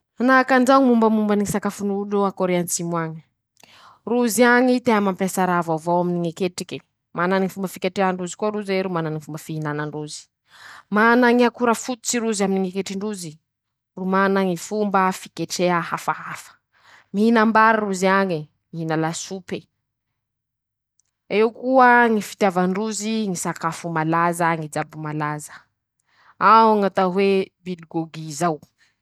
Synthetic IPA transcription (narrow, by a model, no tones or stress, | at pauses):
anakand͡ʒaŋimumbəmumbaniŋisakafunuluakoɾeant͡simwaŋi̥ | ruziaŋit̪eɦamampasaɾavavowaminiŋekeʈ͡ʂike | mananiŋifumbəfikeʈ͡ʂeaɳɖ͡ʐuzi̥kuaɾuzeɾumananifumbəfiɦinanaɳɖ͡ʐuzi̥ | manaŋiakuɾafut̪u̥t͡siɾuzaminiŋekeʈ͡ʂiɳɖ͡ʐuzi | rumanəŋifumbəfi̥keʈ͡ʂeəɦafaɦafə̥ | miɦinambaɾiruziaɲi | miɦinalasupe | ewkuəŋifi̥t̪javaɳɖ͡ʐuziŋisakafumalazəŋid͡zabumalazə̥ | awŋat̪aɦwebilɡoɡizaw